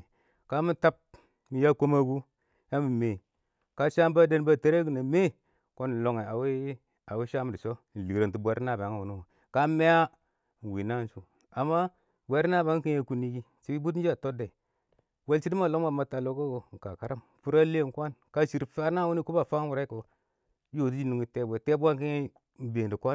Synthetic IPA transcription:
ka˦mi˦ta˦p̚ | mi˨ja˦ko˦ma˦ɡu˦ | ja˦mi˨me˨ | ka˦ʃa˦m˦ba˦de˦n˦ba˦˨te˦ɾe˦ɡu˨na˨me˦ | ko˦n˨lo˨ŋe˨a˨we˦ | a˨we˦ʃa˦m˨di˨so˦n˨li˨ɾa˨nti˨bʷa˨˦ɾna˨ba˨ŋa˨wu˨nu˦wo˨ | ka˦me˦a˦˨ | n˨wi˨na˦su˨ | a˨mːa˦ | bʷe˨˦ɾna˦ba˦ki˦ɲe˦ku˦ni˦ɡi˦ | t͡ʃi˨bi˦bu˦t̬d͡ʒa˦˨to˦de˨ | we˦lt͡ʃi˦di˦ma˨lo˦ŋ˦ma˨ma˨ta˨lo˦ka˦ɡo˨ŋ˨ka˨ka˨ɾa˦mfu˦ɾa˦le˦˨kʷa˦nka˦ʃi˨ɾfa˦na˦wu˦ni˦ku˦ba˨fa˦wu˨ɾa˦ko˨ | jo˨ti˦d͡ʒi˦nu˨ŋi˨te˦bʷe˨te˦bʷa˦ŋki˦e˦ | be˨ndi˨kʷa˦n

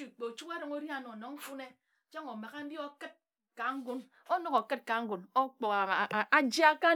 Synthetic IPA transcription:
i˨k͡pe˨t͡ʃu˦ke˦ɾo˨ŋo˦ɾi˦a˨no˨no˨ŋ̩˦fu˦ne˦˨ | t͡ʃo˦ŋo˨ma˨ɣa˦m̩˦bi˦o˦kɨ˦t̚ | ka˨ŋ̩˦ɡu˦n | o˦no˦ko˨kɨ˦t̚ka˨ŋ̩˦ɡu˨no˦k͡po˨a˦d͡ʒi˦a˦ka˦

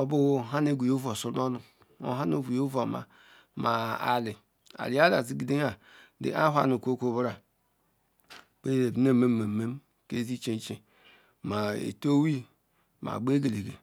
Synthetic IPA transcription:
o˨bu˦˨ɦa˦ne˦ɡʷu˨jo˦vo˨su˨˦o˦nu˨ | o̰˦ɦa˦no˦ɡu˨jo˦vo˨ma̰˨ | ma˨a̰˨li˨ | a̰˨li˨˦a˦la˨zi˦ɡi˨de˦a˨dḭ˨ʔa˦ɦʷa̰˦˨nu˨ko˦kʷo˦bɾa˨ | k͡pe˦e˨bne˦˨me˦mː˦e˨me˦m | ke˦zi˦t͡ʃe˦n˦t͡ʃe˨ | ma˨ḛ˨to˦wi˦ | ma̰˨ɡ͡be˦ɡe˨le˨ɡe˨

